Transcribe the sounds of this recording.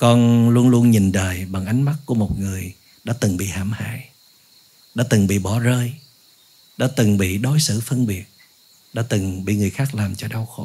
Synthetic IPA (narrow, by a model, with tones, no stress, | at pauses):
kɔ˧nlu˧ənlu˧ənɲi˨˩nɗəː˨˩jɓa˨˩ŋʔa˨˦jŋ̟ma˦˥t̚ku˧˩əmo˨˩t̚ŋɨ˨˩əj | ɗa̰ː˧˥t̪ɨ˨˩ŋɓḭ˧˨haː˧˩mha̰ː˧˨j | ɗa̰ː˧˥t̪ɨ˨˩ŋɓḭ˧˨ɓɔ˧˩˦zəː˧j | ɗa̰ː˧˥t̪ɨ˨˩ŋɓḭ˧˨ɗo˨˦jsɨ̰˧˩fə˧nɓi˨˩ət̚ | ɗa̰ː˧˥t̪ɨ˨˩ŋɓḭ˧˨ŋɨ˨˩əjxaː˦˥k̚laː˨˩mt͡ɕɔ˧ɗa˧wxo˧˦